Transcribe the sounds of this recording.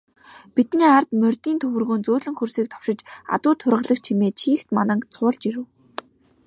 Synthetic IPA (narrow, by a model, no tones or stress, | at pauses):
pit̪niːart̪mœrʲt̪iːnt̪ʰɵwɘ̆rɣoːnt͡soːɮɵ̆ŋxɵrsiːk̚t̪ʰɔ̥wʃɪ̆t͡ɕa̰t̪ʊːt̪ʰʊrʁə̆ɮə̆kt͡ɕʰimeːt͡ɕʰiːxt̪manə̆ŋt͡sʰʊːɮt͡ɕiɾɘ̆ː